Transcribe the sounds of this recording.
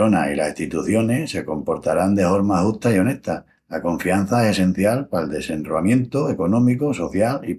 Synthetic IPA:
o̞na̰ilasist̪it̪uθjo̞ne̞se̞ko̞mpo̞ɾt̪aɾand̪e̞fo̞ɾmahuht̪aio̞ne̞ht̪a | lako̞ɱfian̟θaese̞sẽ̞n̟θjalpaeld̪e̞se̞nroamjẽ̞nt̪oe̞ko̞nõ̞mikoso̞θjali

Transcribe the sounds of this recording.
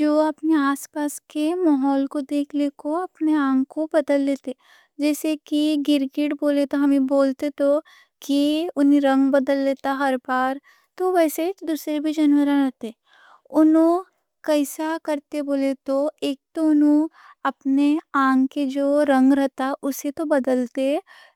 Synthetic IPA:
d͡ʒoːɐpneaːspaːskemaɦɔːlkod̪eːkʰlekoɐpneãːŋɡkobɐd̪əlːeːt̪e | d͡ʒɛːsekiɡɪɾɡɪʈboːlet̪oɦɐmẽboːlt̪et̪o | kiʊnɦẽɾɐ̃ŋɡbɐd̪əlːeːt̪aɦɐɾbaːɾ | t̪oʋɛːsed̪uːsɾebʱid͡ʒɐnwəɾãɾɐɦt̪e | ʊnɦõ | kɛɪsakɐɾt̪eboːlet̪oeːk̚t̪oʊnɦõ | ɐpneãːŋɡked͡ʒoːɾɐ̃ŋɡɾɐɦt̪aʔʊset̪obɐd̪əlt̪e

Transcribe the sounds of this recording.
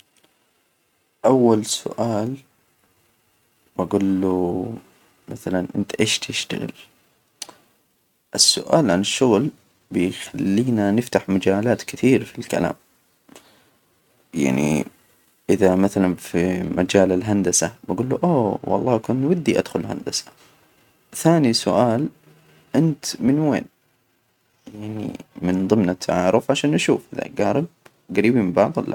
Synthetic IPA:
ʔawːalsʊ̰ʔaːl | b̥aɡulːu | maθalanʔɪnt̪ʔeːʃt̪ʰɪʃt̪a̰ɣɪ̰l | ʔɪsːʊ̰ʔaːlʕanɪʃːʊɣl | bɪjxalːiːnanɪft̪aħmad͡ʒaːlaːt̪kɪθiːɾfilka̰la̰ːm | ja̰ʕnḭ | ʔɪðamaθalanfimad͡ʒaːlɪlɦand̪asabaɡuːlːuʔoːwɑ̰lˤːɑːkʊnwad̪ːiʔa̰d̪xʊlɦa̰nd̪asḁ | θaːnisʊ̰ʔaːl | ʔɪnt̪mɪnwḛːn | jaʕnḭmɪnðˤɨmnat̪ʰːaʕaʕɾˤɪfʕaʃaːnʔaʃuːfʔɪða̰ɡaːɾˤɪb̚ | ɡaɾiːbimɪbɑʕð̰ˤlːa̰

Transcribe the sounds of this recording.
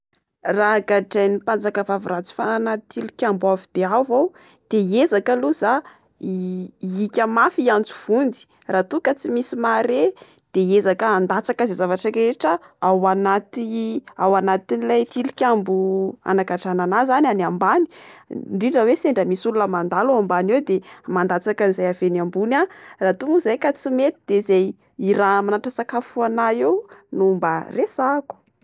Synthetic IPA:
raɡaʈ͡ʂajnipand͡zakavavurat͡si̥fanat̪ilikʲambuavid̪̥eavaw | d̪̥eezakəluza | ikʲəmafiant͡su̥v̥und͡zi̥ | rat̪ukət͡simisimaɾe | d̪̥eezakəand̪at͡sakazezavaʈ͡ʂəɾeʈ͡ʂəawanat̪iawanat̪inilajt̪ilikʲambua̰nakaʈ͡ʂananazanianambani̥ɳɖ͡ʐiɳɖ͡ʐəweseɳɖ͡ʐəmisulunəmand̪aluambanewd̪emand̪at͡sakanizajavenambunarat̪umuzajkat͡simet̪i̥d̪̥ezaj | iɾamanaʈ͡ʂəsakafuanaewnumbaresaku̥

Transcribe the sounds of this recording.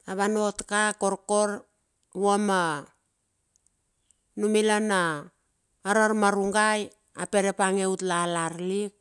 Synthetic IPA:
aβano̞tkakoɾko̞ɾ | woma | numilanaː | ɾaɾmaɾuŋɡaj | ape̞ɾepaŋe̞utlalaɾlik̚

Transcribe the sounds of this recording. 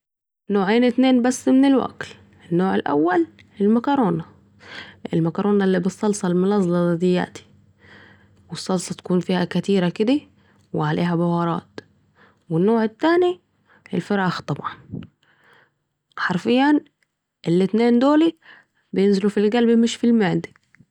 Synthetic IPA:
noːʕeːnɪt̪neːnbasːmɪnɪlwa̰ɡl | ʔɪnːoːʕɪlʔa̰wːal | ɪlmakɑɾˤoːna | ʔɪ̰lmakɑɾˤʔoːnalːibɨsˤːɑlsˤɑlmʊnɑzˤlɑld̪ɪjːa̰ːt̪i̥ | wɪsˤːɑlsˤɑt̪ḁkuːnfiːhakat̪iːɾakɪd̪i | wɪʕalḛːɦabʊwɑːɾˤɑ̰ːt̪ | wɪnːoːʕɪt̪ːaːni | ʔɪlfɪɾɑːxt̪ˤɑbʕɑn | ħɑɾˤfɪjːan | ʔɪlːɪt̪neːnd̪oːli | bjɪnzɪlufilɡalbimɪʃfilmaʕd̪i̥

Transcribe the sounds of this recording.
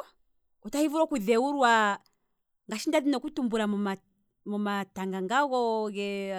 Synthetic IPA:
utahivuɾɔkuðɛuɾwa | ŋɡaʃindaðinɔkutumbuɾama | mɔmataŋɡaŋɡaɣɔɣɛ

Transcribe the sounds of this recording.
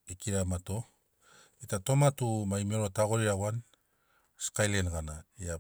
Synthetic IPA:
ekiɾamato̞ | itato̞matumaimeɾotaɡoɾiawan | skajlenɡanaia

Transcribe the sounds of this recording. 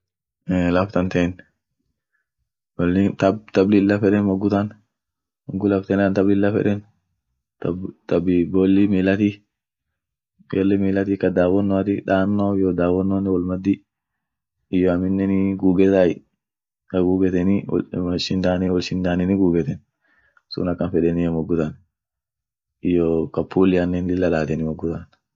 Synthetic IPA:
ɛlɐft̪ɐnt̪ɛːn | lːɪt̪ɐbt̪ɐblɪɪlːɐfɛᶑɛnmɔɡːʊt̪ɐn | mɔɡʊlɐft̪ɛnant̪ɐblɪlːɐfɛ̰ᶑɛn | t̪t̪ɐbbɔlːɪmilɐt̪i | jɔlːɪmiːlɐt̪ikɐd̪aːwɔnːɔɐt̪ɪᶑaːnːojɔd̪aːwɔnːɔnɛwɐlmɐd̪ːɪ | ɪjɔɐmɪnːɛnɪɡuːɡɛt̪aj | kɐɡuːɡɛt̪ɛnɪ̰ɔʃɪnd̪aːnɪwɔlʃɪnd̪aːnɪnɪɡuːɡɛt̪ɛn | sʊ̰nɐkːɐnfɛɗɛnɪjɛmɔɡːʊt̪ɐn | ɪjɔkɐpːuːlɪɐnːɛnlɪlːɐlaːt̪ɛnɪmɔɡːʊt̪an

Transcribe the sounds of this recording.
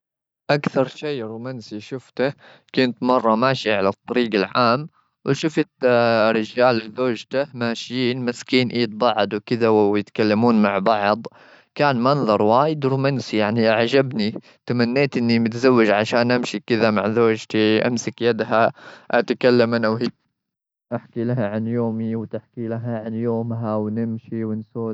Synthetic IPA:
ʔakθɑɾˤʃeːɾuːmansiʃʊft̪a | kʊnt̪mɑrˤːɑmaːʃiʕalat̪ˤːɑɾiːɡalʕaːm | wɪʃʊft̪ɾɪd͡ʒaːlzoːd͡ʒt̪ahmaːʃjiːnmaskiːnʔiːd̪̚bɑʕd̪ˤwkɪd̪awwjɪt̪kalːamuːnmaʕbɑʕd̪ˤ | kaːnmɑnðˤɑɾˤwaːjɪd̪ɾuːmansijaʕniʔaʕd͡ʒabni | t̪amanːeːt̪ʔɪnːimɪt̪zawːɪd͡ʒʕaʃaːnʔamʃikɪðamaʕzoːd͡ʒt̪iʔa̰msakjad̪ɦaʔat̪akalːamanʔawɦiː | ʔaħkilaɦaʕanjoːmiwt̪ɪħkilaɦaʕanjoːmɦawnɪmʃiwɪnsoː

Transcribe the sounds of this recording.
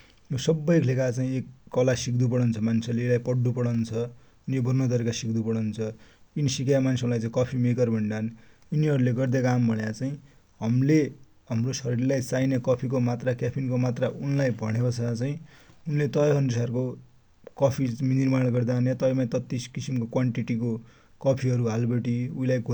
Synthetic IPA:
josʌbːʌjkʰlekat͡saĩekːʌlasikd̪up̬ʌɽʌnt͡sʰʌmansʰelelajpʌɽːupʌɽʌnt͡sʰʌ | unijobʌrnʌt̪ʌɾekasikd̪upʌɽʌnt͡sʰʌinisikaamansʰeũlajt͡saĩkʌpʰimekʌrbʱʌɳɖan | uniɦʌɾuleɡʌrd̪akambʱʌɽjat͡saĩ | ɦʌmle | ɦʌmrosʌɾirlajt͡sajnekʌpʰik̬omat̪rakapʰinkomat̪raunlajbʱʌɽ̃ebʌt͡sʰat͡saĩunlet̪ʌjɦʌnusarko | kʌpʰinirmaɽ̃ɡʌrd̪aːnjat̪ʌjmat̪ʌt̪ːiskisimkokwaɳʈiʈiko | kʌpʰiʌɾuɦalbʌʈiuilajɡ

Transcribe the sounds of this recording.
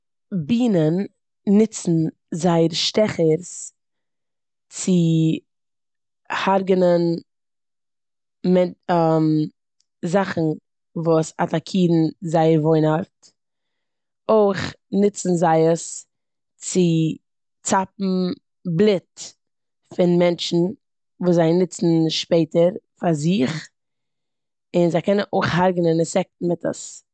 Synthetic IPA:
biːnənː | ɪt͡sn̩ | zaɪəɾʃtɛχəɾs | t͡sɪ | haɾɡənən | mɛnam | zaχn̩ | vuːsa̰takʰiːdn̩zaɪəɾvoɪnaɾt | oɪχnɪt͡sn̩zaɪəs | t͡sɪ | t͡sap̚m̩ | blˠɪt | fɪnmɛnt͡ʃn̩ | vuːzaɪnɪt͡sn̩ʃpeɪtəɾfaɾzɪχ | ɪnzaɪkʰɛnənʔoɪχhaɾɡənɪnɪsɛk̚tn̩mɪtʰə̰s

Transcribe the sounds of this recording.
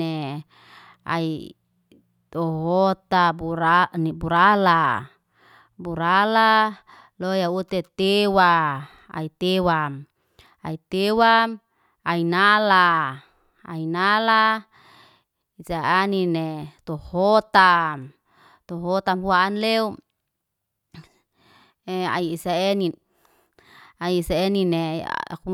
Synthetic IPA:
e | a̰i | t̪oɦot̪auɾanibuɾala | buɾala | lojaut̪et̪ewa | a̰it̪ewam | a̰it̪ewam | ainala | a̰inala | isaaninet̪ohot̪am | t̪oɦot̪amɦuaʔːnleu | ea̰iisaeni | aiːsaeninḛku

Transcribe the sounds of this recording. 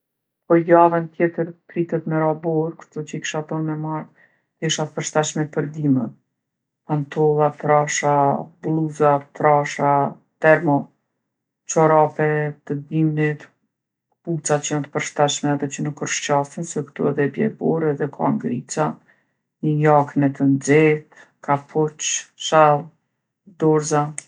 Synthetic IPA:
pɔjavənt̪jɛt̪əɾkɾit̪ɛt̪mɛɾabɔɾkə̥t̪ɔt͡ʃəikʃat̪ɔnmɛmaɾ | t̪ɛʃat̪əpəɾʃt̪aʃmɛpəɾd̪imət̪ | pant̪ɔlˠat̪ɾaʃablˠuzat̪ɾaʃa | t̪ɛɾmɔ | t͡ʃɔɾapɛt̪əd̪imnit̪ | put͡sat͡ʃəjant̪ə̥pəɾʃt̪aʃmɛaðɛt͡ʃənəkəɾʃt͡ʃasənsɛkt̪ṵɛðɛbjɛ̰bɔɾɛðɛkʰa̰ŋɡɾit͡sa | ɲəjaknɛt̪ʰənd͡zɛt̪ | kapʰɔt͡ʃʃalˠ | d̪ɔɾza

